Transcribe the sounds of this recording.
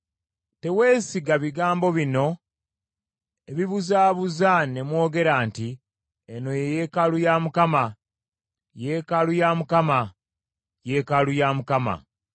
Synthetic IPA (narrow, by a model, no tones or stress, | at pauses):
te̞we̞ːsiɡaβiɡaːmbo̞βino̞ | eβiβuzaːβuzane̞mwo̞ːɡe̞ɾaːnti | eno̞jeje̞kalujaːmukama | je̞kalujamukama | je̞kalujaːmukama̰